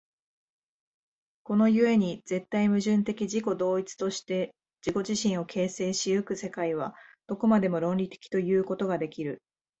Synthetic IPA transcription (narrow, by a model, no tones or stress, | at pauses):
ko̞no̞jɯ̟e̞ɲ̟iz̥e̞t̪ːaimɯ̟ʑɨ̃nt̪e̞kʲiʑiko̞d̪o̞ːit͡sɨ̥t̪o̞ɕi̥t̪e̞ | d͡ʑ̥iko̞ʑiɕĩɰ̃o̞kʰe̞ːse̞ːɕiɯkɯ̟se̞kaiβ̞ad̪̥o̞ko̞mad̪e̞mo̞ɾõ̞nɾʲit̪e̞̥kʲi̥t̪o̞jɯ̟ːko̞t̪o̞ɡad̪e̞kʲiɾɯ̟